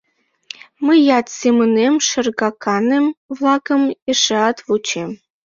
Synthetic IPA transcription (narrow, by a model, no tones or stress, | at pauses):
məjɑt̪semɨnemʃə̆rɣɑkʰɑnemvlˠɑkəmeʂeɑt̪vut͡ɕem